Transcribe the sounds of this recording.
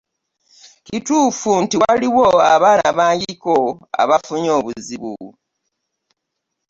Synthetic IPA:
cituːfuntiwaliwoaβaːnaβaːɲɟikoa̰βafuɲo̞ːβuziβṵ

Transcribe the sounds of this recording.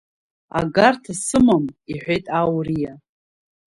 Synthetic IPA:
a̰ɡartʰasɨmamiħʷᶣejtʼawrija

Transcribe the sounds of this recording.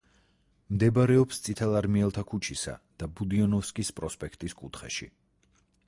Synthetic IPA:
md̪ɛbaɾɛɔpst̪sʼit̪ʰɛlˠaɾmiɛlˠt̪ʰakʰut͡ʃʰisa̰d̪̥abud̪iɔnɔfskʼispʼɾɔspʼɛkʰt̪ʼiskʼut̪ʰχɛ̰ʃḭ

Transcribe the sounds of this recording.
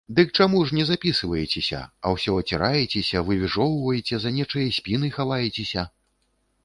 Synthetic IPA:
d̪ɨk̚t͡ʂamuʂnʲɛzapʲisɨvɐjet͡sʲɛsʲɐ̰ɐ̰wsʲɔɐt͡sʲɛɾajɛt͡sʲesʲɐvɨvʲiʐɔwvɐjet͡sʲɛzɐnʲɛt͡ʂɐjɐsʲpʲin̪ɨxavajɛt͡sʲesʲɐ

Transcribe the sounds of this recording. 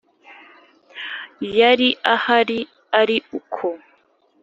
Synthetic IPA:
jaɾiahaɾi | aɾiukʰo

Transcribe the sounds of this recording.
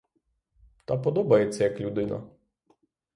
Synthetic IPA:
t̪ɑpɔd̪ɔbɐjet͡sʲːɐjɐklʲud̪ɪnɐ̰

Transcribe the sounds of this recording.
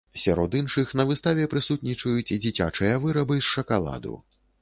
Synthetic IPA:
sʲaɾɔd̪inʂɨxn̪ɐvɨst̪avʲɛpɾɨsut̪nʲit͡ʂɐjut͡sʲid͡zʲit͡sʲa̰t͡ʂɨjɐvɨɾɐbɨsʂɐkalˠa̰d̪ṵ

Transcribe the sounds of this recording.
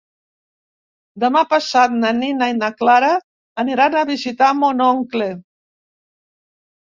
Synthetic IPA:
d̪əmapasat̪̚naninajnaklaɾaː | niɾanəβizit̪amonɔŋkle

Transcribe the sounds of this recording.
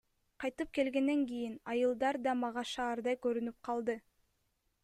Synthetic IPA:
qʰɑjt̪ɯp̚ke̞lɡe̞nːe̞ŋɡijinɑjɯlˠd̪ɑɾd̪ɑmɑʁɑʃɑːɾd̪ɑjkøɾynyp̚qʰɑlˠd̪ɯ

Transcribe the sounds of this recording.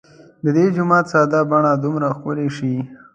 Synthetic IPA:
d̪əd̪ed͡ʒʊmɑt̪sɑd̪abaɳad̪ʊmɾaxkʊleʃi

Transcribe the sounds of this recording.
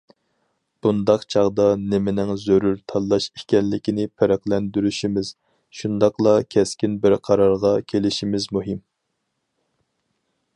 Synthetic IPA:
b̥und̪ɑqt͡ʃʰɑʁd̪ɑnɪmɪnɪŋzøɾuɾt̪ʰɑlˠːɑʃikʲɛnlɪkʲinɪpʰɛɾæklɛnd̪yɾyʃimɪz̥ | ʃund̪ɑqlˠɑkʲʰɛskʲinbɪɾqʰɑɾɑɾʁɑkʲʰelɪʃimɪzmuɦɪm

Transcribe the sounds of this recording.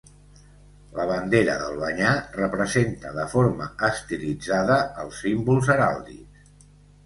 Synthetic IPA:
ləβənd̪eɾə̰ðəlˠβəɲarəpɾəzent̪əðəfoɾməːst̪ilid͡zaðəəlˠsːimbulˠzəɾalˠd̪ḭs

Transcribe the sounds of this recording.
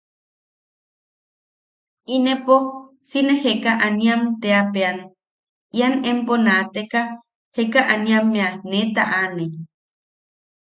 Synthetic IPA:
inepo | sinehekaʔanĩamt̪eapean | ianemponat̪eka | hekaʔanĩamːẽanet̪a̰ʔane

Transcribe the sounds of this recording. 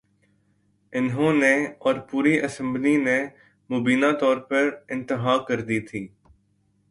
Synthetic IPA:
ɪnɦõneɔːɾpuːɾiʔɐsə̃mbline | mʊbiːnat̪ɔːɾpɐɾɪ̃nt̪ɪɦaːkɐɾd̪it̪ʰiː

